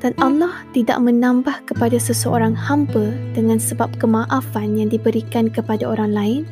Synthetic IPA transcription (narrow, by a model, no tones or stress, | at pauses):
d̥anʔalːaht̪ida̰ʔmə̃nãmbahkəpadasəsəʔoɾaŋhampəd̥əŋãnsəbap̚kəmãʔafanjaŋdibəɾikankəpadaoɾaŋlaɪn